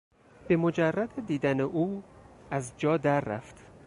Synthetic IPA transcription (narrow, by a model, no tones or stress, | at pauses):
b̥e̞mo̞d͡ʒærːæd̪ed̪iːd̪æneʔuːæzd͡ʒɒːd̪æɾːæ̰ft̪